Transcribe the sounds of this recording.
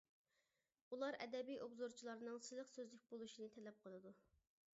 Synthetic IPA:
ulˠɑɾɛ̰d̪ɛbijobzoɾt͡ʃʰilˠɑɾnɨŋsɨlˠəχsøzlɪk̚ʲbolˠuʃinɨt̪ʰɛlɛp̚qʰəlˠɨd̪u

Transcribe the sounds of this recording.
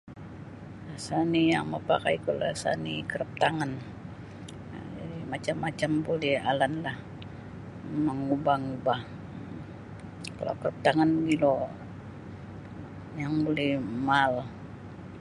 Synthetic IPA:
lasanijaŋməpa̰kaikolasa̰nikəɾəp̚t̪aŋan | d͡ʒdimat͡ʃamːat͡ʃambolɛhalanlah | məŋubahŋubah | ka̰la̰kəɾəp̚t̪aŋanɡilo | jaŋbolɛhmal

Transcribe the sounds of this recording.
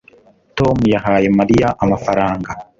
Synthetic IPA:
to̞mujahaːje̞maɾijaʔamafaɾaːŋɡa

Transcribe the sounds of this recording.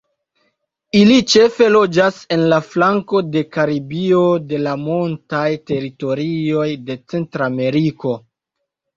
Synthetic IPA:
ilit͡ʃe̞fe̞lo̞d͡ʒase̞nlaflaŋko̞de̞kaɾibio̞de̞lamontajte̞ɾito̞ɾio̞jde̞t͡se̞ntɾame̞ɾiko̞

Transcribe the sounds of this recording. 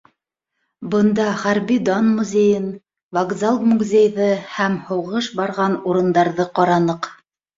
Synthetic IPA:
bɤ̆nd̪ɑχæɾβid̪onmuzʲejɘn | vaɡzalˠmuɡzʲejðɤhæmhŏwʁɤʃbɑɾʁɑnuɾɤ̆nd̪ɑɾðɤqɑɾɑnɤq

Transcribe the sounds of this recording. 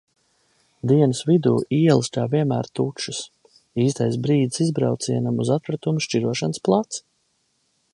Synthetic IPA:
d̪iɛnɨsvid̪uːʔiɛlˠsk̪aːviɛmæ̰ːɾt̪uʃus | iːs̬t̪ajs̬bɾiːd̪isizbɾa̰wt̪siɛnamuzat̪ɾat̪umuʃt͡ʃiɾuɔʃansplˠat̪s

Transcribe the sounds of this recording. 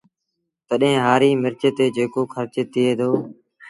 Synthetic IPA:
t̪əɗɦẽːɦaːɾiːmɪɾt͡ʃeːt̪eːd͡ʒeːkoːkʰəɾt͡ʃeːt̪ɪeːd̪oː

